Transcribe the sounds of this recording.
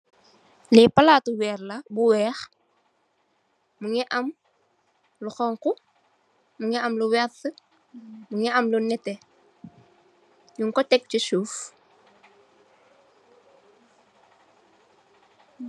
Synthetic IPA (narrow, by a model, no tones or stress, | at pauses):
lɛpɐlaːtuwɛːrlɐbuwɛːx | muŋɛʔɐm | luxɔŋku | muŋɛɐmluwɛtːə | muŋɛʔɐmlunɛtɛ | ɲuŋkɔtɛk̚cusuːf